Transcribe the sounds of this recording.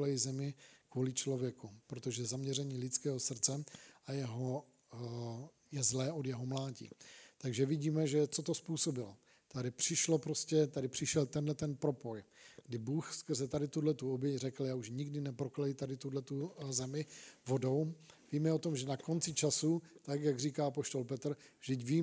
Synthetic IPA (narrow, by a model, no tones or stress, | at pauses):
lɛjizɛmɪkvuːlɪt͡ʃlo̞vjɛkupɾot̪oʒɛzamɲɛrɛɲiːlɪt͡skɛːɦo̞sr̩t͡sɛajɛɦo̞ | jɛzlɛːʔo̞djɛɦo̞mlaːɟḭːt̪aɡʒɛvɪɟiːmɛʒɛt͡so̞t̪o̞spuːso̞bɪlo | t̪adɪpr̝̥ɪʃlo̞pɾo̞scɛt̪adɪpr̝̥ɪʃɛlt̪ɛndlɛt̪ɛnpɾo̞po̞jɡ̥dɪbuːxskr̩zɛt̪adɪt̪udlɛt̪uobjɛcrɛkl̩jaːuʃɲɪɡdɪnɛpɾo̞klɛjit̪adɪt̪udlɛt̪uzɛmɪvo̞do̞wviːmɛot̪o̞mʒɛnako̞nt͡sɪt͡ʃasut̪akjaɡriːkaːapo̞ʃt̪o̞lpɛt̪r̩vʒdɪcviː